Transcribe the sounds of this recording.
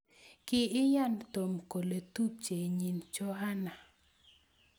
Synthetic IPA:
kɪ˦ɪ˦ja˦˨nt̪o˨mko˨le˨tu˦p̚t͡ʃe˨ɲi˨nt͡ʃɔ˦ɦa˦na˨

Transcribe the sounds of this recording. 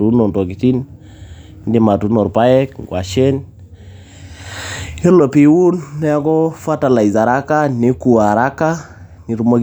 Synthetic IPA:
u˨˦nɔ˨ntɔ˨ki˨ti˦n | ndi˨ma˨tu˨˦nɔ˨ɾpa˦jɛ˦kŋɡwa˨ʃɛ˦n | e˦lo˨pi˨wu˦nːɛ˦a˦kɔ˦fa˦ta˨la˨i˨za˨ɾa˦ka˦nɪ˦ku˨a˨ɾa˦ka˦ | ni˨ɾu˦mo˦k

